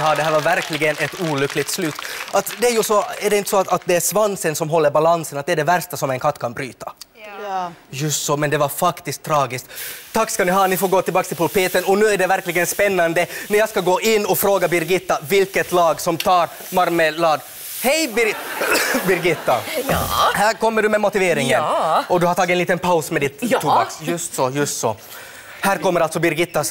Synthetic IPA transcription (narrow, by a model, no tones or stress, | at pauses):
ɦɑːd̪ɛɦæːɾvɑɾvæɾklɪɡənɛt̪uːlʏkːlɪɡt̪slʉːt̪ʔat̪d̪ɛːɾjʊsɔæɖɛɪnt̪ə̥sɔt̪at̪̚d̪ɛæʂvansənsɔmɦɔlːəɾbalansənat̪̚d̪ɛæːɖɛvæɾʂt̪asɔmɛnkʰat̪ːkʰanbɾyːt̪ḁ | jɵst̪sɔmɛnd̪ɛvɑɾfakt̪ɪsk̚t̪ʰːɾɑːɡɪskt̪t̪ʰːakːskɑlnɪɦɑːnɪfoːɾɡoːt̪ʰɪlbɑːkst̪ɪlpʰʊlpeːt̪ənɔnʉːæɖɛvæɾklɪɡənspɛnːɑnd̪ənæɾjɑɡskaɡoːʔɪnːɔfɾoːɡabɪɾɡɪt̪ːavɪlkət̪lɑːɡsɔmt̪ʰɑːɾ | mɑɾməlɑːɡ̪ | hɛjb | bɪɾɡɪt̪ːa̰ | hæːɾkɔmːəɖɵmɛmʊt̪ɪveːɾɪŋənɔd̪ɵhaɾt̪ʰɑːɡɪtɛnliːt̪ənpʰaʊsmɛd̪ɪt̪ʰːuːɑksjɵst̪sɔjɵst̪sɔ̰ | hæːɾkɔmːəɾalt̪sɔbɪɾɡɪt̪ːas